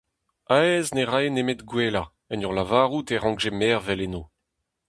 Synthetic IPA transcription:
aɛzneʁaenemet̪ɡweːla | ɛnɔʁlavaːʁut̪ɛʁɑ̃ɡʒemɛːʁvɛleno

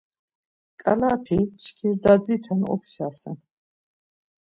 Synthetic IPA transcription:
kʼalaːt̪ʰiʃkʰiɾd̪ad͡zit̪ʰɛnɔ̰pʰʃaːsɛ̰n

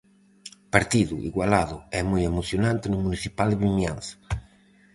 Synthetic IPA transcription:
paɾt̪iðṵʔḭɣwalaðʊɛmujemoθjonãnt̪enʊmuniθipald̪eβimjanθḁ

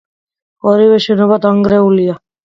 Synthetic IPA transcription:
ɔɾiwɛʃɛnɔbat̪aŋɡɾɛulia

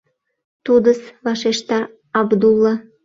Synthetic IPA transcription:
t̪ud̪əsβɑʃeʃt̪ɑː | bd̪ulːɑ

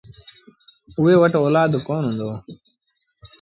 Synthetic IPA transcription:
ʊɦeːʋəʈoːlaːd̪koːnɦũːnd̪oː

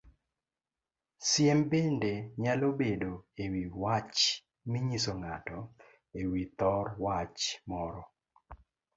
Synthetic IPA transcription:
sjɛmbendeɲalobedoewiwat͡ʃ | mɪɲisoŋatɔ | ewit̪ɔrwat͡ʃmɔɾɔ

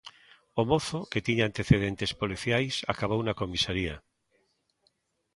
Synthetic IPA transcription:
omoθoket̪iɲaant̪e̞θeð̞ent̪espoliθjajsa̰kaβownako̞misaɾia

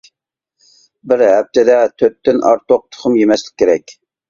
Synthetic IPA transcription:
bɪɾɦɛp̚t̪ʰɪd̪ɛt̪ʰøt̪ːynʔɑɾt̪oq̚t̪ʰʊ̥χʰʊmjemɛslɪ̥kʲʰːeɾɛkʲ

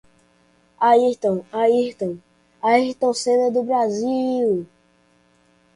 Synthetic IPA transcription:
ait̪ɐ̃w̃aiht̪ɐ̃w̃ | aiht̪ɐ̃w̃sẽnɐd̪ʊbɾaziw

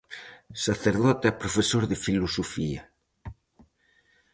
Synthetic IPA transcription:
saθeɾðɔt̪ɛpɾofesoɾðefilosofia

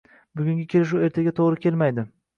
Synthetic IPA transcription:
bʊɡʲʊŋɡʲɪkʲʰe̞lɪʃue̞ɾt̪ʰaɡʲat̪ʰoʁɾɪkʲʰe̞lmajd̪ɪ

